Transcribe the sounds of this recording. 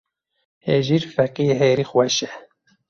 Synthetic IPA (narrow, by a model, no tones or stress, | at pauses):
heʒiːɾfɛqijeɦɛjɾixwɛʃɛ